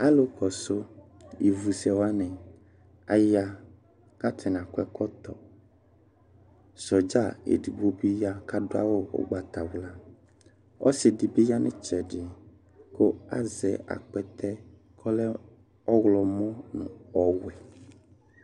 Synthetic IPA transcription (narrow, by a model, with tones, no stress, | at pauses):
a˦lo˦kɔ˨so˦ | ji˨vu˨sɛ˨wa˦nɛ̃˨ | a˨ja˦ | ka˦t̪ʰɛ˨n˨ã˨kɛ˦kɔ˦t̪ɔ˨ | sɔ˨d͡ʒa˦˨ḛ˨di˨bo˦bi˦ja˦ka˦ɖo˦a̰˦wo˦wo̰˦ɡ͡ba˨t̪a˨wla˦ | ɔ̰˦sɪ˨di˨bi˦ja˦nɛ̃˦t͡ʃɛ˨ɖɪ˨ | ko˦a̰˦zɛ˨a̰˨k͡pɛ˦t̪ɛ˦ | kʰɔ˦lɛ˦ | ɔ˦ɣlɔ˨mɔ̃˦nṵ̃˨ɔ˦wɛ˨